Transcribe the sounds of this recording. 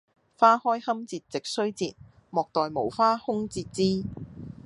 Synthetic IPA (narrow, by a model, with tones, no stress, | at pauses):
faː˥hɔː˥jhɐ˥mt͡siː˧t̚t͡sɪ˨k̚sɵ˥ɥt͡siː˧t̚ | mɔː˨k̚t̪ɔː˨jmo˨˩wfaː˥hʊ˥ŋt͡siː˧t̚t͡siː˥